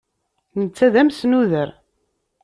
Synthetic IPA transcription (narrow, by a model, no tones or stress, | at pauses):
nət͡sːæðæmsnuðəɾ